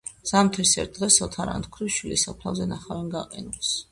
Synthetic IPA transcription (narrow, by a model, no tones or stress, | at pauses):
z̥amt̪ʰɾisɛ̰ɾt̪̚d̪ʁɛsɔt̪ʰaɾa̰nt̪ʰkʰɾiʃwilisapʰlˠa̰vzɛnaχavɛnɡaqʼɛnus